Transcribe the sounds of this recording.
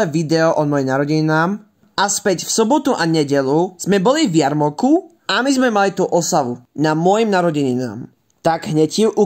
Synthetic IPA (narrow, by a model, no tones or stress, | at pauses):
ɛʋid̪ɛɔʔɔmɔjimnaɾɔɟɛɲinaːm | aspɛcfsɔbɔt̪uʔaɲɛɟɛluz̥mɛbɔlivjaɾmɔku | amizmɛmalit̪uʔɔsaʋunamʊɔjimnaɾɔɟɛɲina̰ːm | t̪aɡɦɲɛciʔu